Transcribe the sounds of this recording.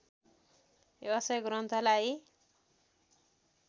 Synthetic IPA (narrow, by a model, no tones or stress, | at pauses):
ʌsʌjɡɾʌnt̪ʰʌlaj